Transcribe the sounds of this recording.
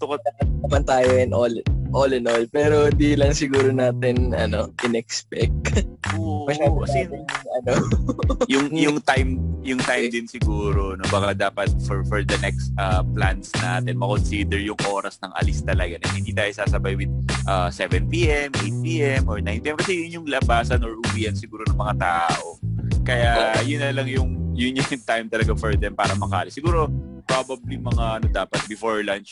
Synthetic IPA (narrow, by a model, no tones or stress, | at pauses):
t̪ʊkaapɐt̪̚nɐmɐnt̪aːjoʔɛnʔolʔolɛnolpɛːɾo̞nd̪iːlɐŋsɪɡuːɾonaːt̪ɪnɐno̞ʔɪnɛkspɛk̚t̪omɐʃabkɐsiŋɐnojʊŋjʊŋt̪ajmjʊŋt̪ajmd̪ɪnsɪɡuːɾonobɐkad̪aːpɐt̪̚fɔɹfɔɹd̪ɐnɛkst̪ʔaplansna̰ːt̪ɛnmɐko̞nsiːd̪ɛɹjʊŋʔo̞ːɾɐsnɐŋʔɐ̰lɪst̪ɐlɐɡanɛhɪ̃nd̪iːt̪aːjosaːsɐbajwɪd̪̚ʔɐsɛvɛnp̪iʔɛmʔejt̪̚piʔɛmʔɔɹnajnt̪iʔɛmkɐsɛjʊnjʊŋlɐbaːsɐnɔɹʔʊwiːʔɐnsɪɡuːɾonɐŋmɐŋat̪aːʔo̞kɐjajʊnːɐlɐŋjʊŋjʊnjʊt̪ajmt̪ɐlɐɡafɔɹd̪ɛmpaːɾɐmɐkaːlɪsɪɡuːɾo̞pɹabɐblimɐŋaʔɐnod̪aːpɐt̪̚bɪfoɹlant͡ʃ